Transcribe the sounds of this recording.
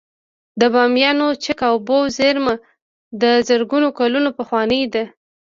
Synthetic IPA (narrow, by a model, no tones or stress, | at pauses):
d̪əbɑmjɑnot͡ʃəkawbowzeɾmə | d̪əzəɾɡunokalunopəxwɑnəjd̪a